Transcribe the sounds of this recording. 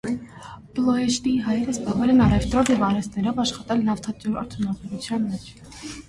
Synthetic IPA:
b̥lˠɔɛʃt̪iɦɑjɛɾəsbɑʁvɛlɛnɑɾɛft̪ɾɔvjɛvɑɾɛst̪nɛɾɔvɑʃχɑt̪ɛlnɑft̪ʰɑt͡ʃ̪uɾɑ̰ɾt̪ʰunɑvɛɾut͡sʰjɑnmɛt͡ʃʰ

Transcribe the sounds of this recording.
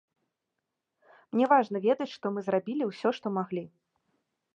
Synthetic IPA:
mnʲɛvaʐnɐvʲɛd̪ɐt͡sʲʂt̪ɔmɨzrabʲilʲiwsʲɔʂt̪ɔmaɣlʲi

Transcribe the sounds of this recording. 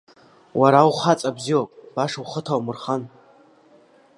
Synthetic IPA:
waɾawχat͡sʼabziwapʼb̥aʂuχətʰawmɨrχan

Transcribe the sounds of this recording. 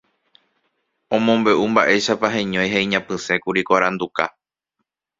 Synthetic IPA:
õ̞mõ̞mbe̞ʔumbaʔe̞ʃapaɦẽɲõ̞jɦeĩɲãpɨ̃sẽ̞kuɾikʷaɾãnd̪uka̰

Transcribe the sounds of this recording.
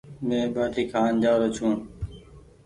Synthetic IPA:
mẽːɓaːʈiːkʰaːnd͡ʒaːɾot͡ʃʰũː

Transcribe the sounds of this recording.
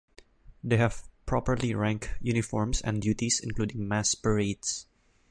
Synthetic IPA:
d̪ehæv̥pɹɔpəɹliɹæ̃ŋkjunɪfɔɹmsɛ̰̃nd̪juːt̪isɪ̰̃nkluːd̪ɪ̃ŋmæspɛɹet̪s

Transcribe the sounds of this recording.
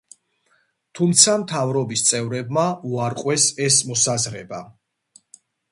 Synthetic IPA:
t̪ʰumt̪sʰamt̪ʰavɾɔbist̪sʼɛvɾɛbmauaɾqʼwɛsɛsmɔsazɾɛba

